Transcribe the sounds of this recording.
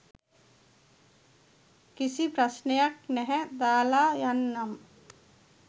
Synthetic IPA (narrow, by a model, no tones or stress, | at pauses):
kisipɾɐsnejak̚nɛɦɛ̃d̪aːlaːjanːam